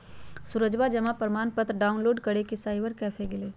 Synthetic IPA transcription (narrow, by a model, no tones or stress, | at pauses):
sʊɾəd͡ʒbad͡ʒɐmapəɾmaːnpət̪ɾɖaːʊnloːɖkɐɽekesaːɪʋəɾkɛːfʰeɡɪleː